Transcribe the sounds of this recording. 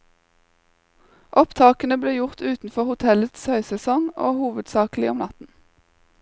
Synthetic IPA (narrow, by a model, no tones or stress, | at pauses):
ʔɔpt̪ʰɑːkənəbleːjʊʁt̪ʉːt̪n̩fɔʁhʊt̪ʰɛlət̪shœʏsɛsɔŋo̰ːhuːʋəd̪sɑːklɪɔmnɑt̪n̩